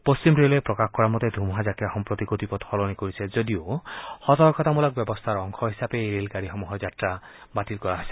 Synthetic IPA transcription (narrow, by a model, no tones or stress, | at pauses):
post͡ʃimɾelepɾɔkaxkɔɾamɔt̪ed̪ʱumɦazakiaxɔmpɾɔt̪ikot̪ipɔt̪hɔlɔnikoɹisʰed͡ʒɔd̪iohɔt̪ɔɾɔkʰɔt̪amɔlak̚bjɔbɔst̪ʰaɾɔŋkʰɔɦisapeːɾelkaɾiɦɔmuɦɔd͡ʒatɾabaʈilkɔɾaɦase̥